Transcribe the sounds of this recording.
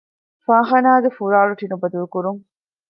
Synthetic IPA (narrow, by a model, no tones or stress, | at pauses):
fãːχɐnaːɡefuɾaːɭuʈinubɐd̪ulukuɾuŋ